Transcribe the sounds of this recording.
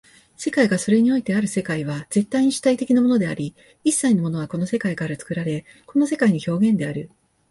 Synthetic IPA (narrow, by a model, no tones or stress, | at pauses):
se̞kaiɡaso̞ɾe̞ɲ̟io̞it̪e̞aɾɯ̟se̞kaiβaz̥e̞t̪ːaiɲ̟iɕi̥t̪ait̪e̞kʲinamo̞no̞d̪e̞aɾʲi | isːaino̞mo̞no̞ɡako̞no̞se̞kaikaɾat͡sɨ̥kɯ̟ɾaɾe̞ | ko̞no̞se̞kaiɲ̟iço̞ːɡẽ̞nd̪e̞aɾɯ̟